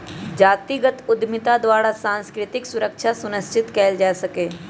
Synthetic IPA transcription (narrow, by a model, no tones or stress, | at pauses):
d͡ʒaːt̪iɡət̪ʊd̪mɪt̪ad̪waːɽasãːnskɾɪt̪ɪksʊɾəkʃʰasʊnəst͡ʃɪt̪kɛːld͡ʒaːsɐkeː